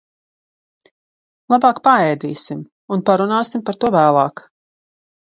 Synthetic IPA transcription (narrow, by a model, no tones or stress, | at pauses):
lˠabɑːkpaɛjd̪iːsim | unpaɾunaːsimpaɾt̪uɔvæːlˠɑ̰ːk